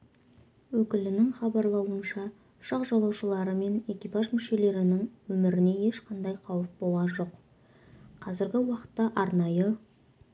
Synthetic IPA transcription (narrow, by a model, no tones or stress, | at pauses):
wɵkʲɪlɪnɪŋχɑbɑɾlˠɑwənʃɑ | ʊ̥ʃɑqʒɑlˠɑwʃəlˠɑɾəme̞ne̞kʲijpɑʒmɪʃe̞le̞ɾɪnɪŋwɵmɪɾɪne̞je̞ʃqʰɑnd̪ɑjqʰɑwəp̚bo̞lˠʁɑnʒo̞q | qʰɑzɪɾɡʲɪwɑqə̥t̪ːɑʔɑɾnɑjə